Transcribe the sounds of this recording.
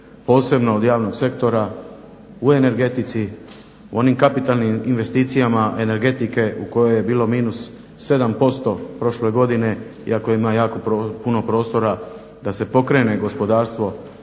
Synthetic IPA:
po̞ːse̞bno̞ːd̪jaːʋno̞ɡse̞kt̪o̞ɾa | ue̞ne̞ɾɡe̞t̪it̪si | uo̞nimkapit̪alniminʋe̞st̪iːt̪sijamaʔe̞ne̞ɾɡe̞t̪ike̞uko̞jo̞je̞biːlo̞miːnusː | e̞d̪ampo̞st̪o̞pɾo̞ʃle̞ɡo̞d̪ine̞ḭakoimajaːko̞pːpuno̞pɾo̞ːst̪o̞ɾa | d̪ase̞po̞kɾe̞ːne̞ɡo̞spo̞d̪aːɾst̪ʋo̞

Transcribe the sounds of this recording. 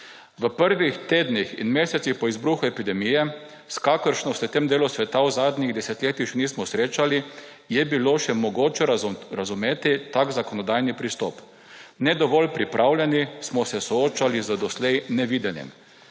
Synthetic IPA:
ʋəpəɾʋixt̪eːd̪nixḭnmeːsɛt̪sixpɔizbɾuːxuɛpid̪ɛmijɛ | skakəɾʃnɔst̪ɛt̪emd̪eːlusʋɛt̪awzaːd̪nʲiɣd̪ɛsɛt̪lʲeːt̪ixʃɛnismɔsɾeːt͡ʃali | jɛbiloʃɛmɔɡoːt͡ʃɛɾazumeːt̪it̪aɡzakɔnɔd̪ajnipɾist̪ɔ̰p | nɛd̪ɔʋɔlpɾipɾʔawlʲjɛnismɔsɛsɔoːt͡ʃalizəd̪ɔslɛjnɛʋiːd̪ɛnjɛ̰m

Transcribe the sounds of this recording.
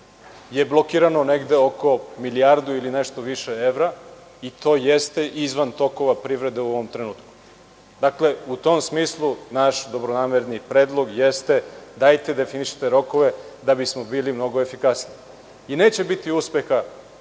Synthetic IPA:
je̞blˠo̞kiːɾano̞ne̞ɡd̪e̞o̞ko̞miliaɾd̪uiline̞ʃt̪o̞ʋiʃeeʋɾa | it̪o̞ːjest̪e̞ʔizʋant̪o̞ko̞ʋapɾiʋɾe̞d̪euoʋo̞mt̪ɾe̞nuːt̪ku̥ | d̪akle̞ut̪o̞msmiːslˠunaʃd̪o̞bɾonaːmeɾnipɾe̞ːd̪lˠo̞ɡjest̪e̞d̪ajt̪e̞d̪efiniʃi̥t̪e̞ɾo̞ko̞ʋe̞d̪abismo̞biːlimno̞ɡoefikasni | ine̞ːt͡ɕe̞bit̪iuspe̞xa

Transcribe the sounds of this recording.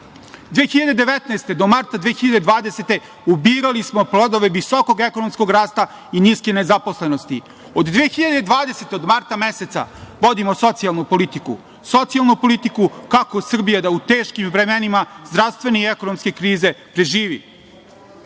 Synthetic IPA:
d̪ʋeːxiʎad̪ed̪eʋet̪naest̪e̞d̪o̞maɾt̪ad̪ʋeːxiʎad̪ed̪ʋaːd̪eset̪e̞ | ubiːɾalismo̞plˠod̪oʋe̞ʋisoko̞ɡeko̞nomsko̞ɡɾaːst̪a | iniːskenezapo̞sle̞nost̪i | od̪d̪ʋeːxiʎad̪ed̪ʋaːd̪eset̪eod̪maɾt̪ameset̪sa̰ʋo̞d̪imoso̞t̪sialˠnupo̞lit̪ikṵ | so̞t̪sialˠnupo̞lit̪ikukako̞sr̩bijad̪aut̪eːʃkimvɾemenimazd̪ɾaʋst̪ʋe̞neiekonomske̞kɾiːze̞pɾe̞ʒiːʋḭ

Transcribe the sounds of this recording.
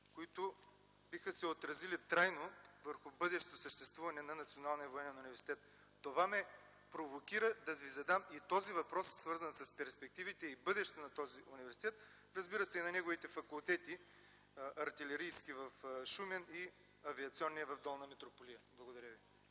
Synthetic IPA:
koit̪ʊ | bixəsɛot̪ɾɐzilit̪ɾajnovəɾxʊbɤd̪ɛʃt̪ɛt̪osəʃt̪ɛst̪vuvɐnɛnɐnɐt̪sionalˠnijɐvoɛnɛnunivɛɾsi̥t̪ɛt̪ː | ovamɛ | pɾovokʲiɾəd̪ɐvizɐd̪amit̪ɔzivɐpɾɔssvɤɾzɐnsɐspɛɾspɛk̚t̪ivit̪ɛibɤd̪ɛʃt̪ɛt̪onɐt̪ɔziʔunivɛɾsit̪ɛt̪ | ɾɐzbiɾɐsɛinɐnɛɡovit̪ɛfɐkulˠt̪ɛt̪i | ʔɐɾt̪ilɛɾijskivɐfʃumɛni | ɐviɐt̪siɔnːijəvɐvd̪ɔlˠnɐmɛt̪ɾopolijəblˠɐɡod̪ɐɾʲjəvi

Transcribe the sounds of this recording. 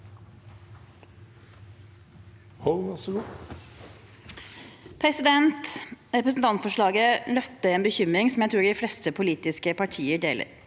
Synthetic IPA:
hɔlʋɛsɔɡuː | pʰɾɛsɪd̪ɛnt̪ɾɛpɾəsn̩t̪ɑnt̪fɔʂɭɑːɡəlœp̚t̪əeːnbəçʏmɾɪŋsɔm̩jæɪt̪ʰɾuːɖɪflɛst̪əpʰʊliːt̪ɪskəpʰɑʈʰiːəɖeːlʔə̰ɾ

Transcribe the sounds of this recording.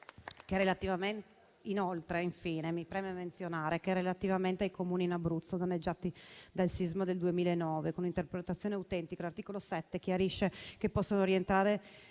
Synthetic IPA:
keɾelat̪ivamen | inolt̪ɾeiɱfiːnemipɾɛːmeament̪sjonaːɾekerelat̪ivament̪eajkomuːniːnabɾut̪sːod̪anːed͡ʒːaːt̪id̪alsizmod̪eld̪uemiːlaenːɔːvekonint̪erpɾet̪at̪sːjoneawt̪ɛnt̪ikalart̪iːkolosɛt̪ːekjaɾiʃːekepːɔsːonoɾient̪ɾaːɾe

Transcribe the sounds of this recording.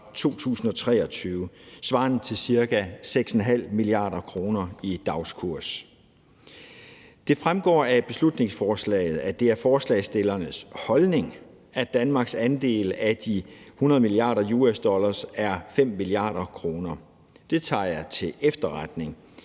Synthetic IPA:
t͡sʰo̝̰ːt͡sʰṵːsn̩ɒ̽t͡sʰʁɛ̰ːɒ̽t͡sʰyːʊsʋɑ̰̈nð̩ˠt͡sʰe̝lsiɐkæseɡ̥sɒn̩ɦæl̰miliɑ̰̈ːɾ̥ɐkʰʁo̝ːnɐid̥ɑ̈ʊskʰuɐ̰s | d̥e̝fʁamɡ̥ɒ̰ːæb̥e̝slud̥ne̝ŋsfɒːslɛ̰ːɪð̞̩ˠæd̥e̝æɐfɒːslɛ̰ːsd̥e̝lɐnəshɒ̽lne̝ŋ | æd̥ænmɑ̈ːɡ̥sænd̥e̝̰ːləæd̥ihunɐð̞̩ˠmiliɑ̰̈ːɾɐjuːesd̥ɒ̽lɐsæɐfem̰ːiliɑ̰̈ːɾ̥ɐkʰʁo̝ːnɐ | d̥e̝t͡sʰɑ̰̈ːjɑ̈t͡sʰe̝ʔefd̥ɐʁad̥ne̝ŋ

